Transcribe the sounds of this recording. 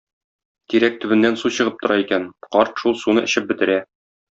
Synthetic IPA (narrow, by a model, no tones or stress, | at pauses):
kiɾæk̚t̪ɵ̆bɘ̆nːænsuɕɤ̆ʁɤp̚t̪ŏɾɑikænqɒɾt̪ʃulˠsunɤʔɘ̆ɕɘp̚bɘ̆t̪ɘ̆ɾæ